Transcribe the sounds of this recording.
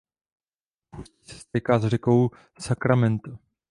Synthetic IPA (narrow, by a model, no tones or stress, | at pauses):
puscisɛ̥st̪ɛkaːzr̝ɛko̞w | sakɾamɛnt̪a